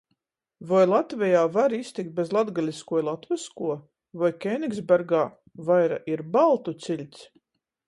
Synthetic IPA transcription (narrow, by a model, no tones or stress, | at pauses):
vɔjlˠat̪vɛjaːvaɾist̪ik̚t̪̚bezlˠad̪ɡalʲiskuɔjilˠat̪viskuɔ | vɔjkʲejnʲiɡzbʲɛɾɡaː | vajɾa̰ʔiɾbalˠt̪ut̪silʲt̪s